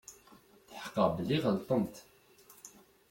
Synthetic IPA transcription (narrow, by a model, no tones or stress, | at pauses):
θəħə̥qːəʁbəliʁəlt̪ˤəmt̪